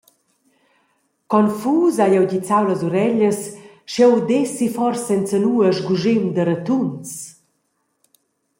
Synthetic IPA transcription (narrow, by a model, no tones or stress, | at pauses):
kɔnfuːzajɛwɟit͡sawləzuɾɛʎəs | ʃɛwd̪ɛsifɔrsaɛnt͡sənuːəʒɡuʒɪmd̪əɾət̪uns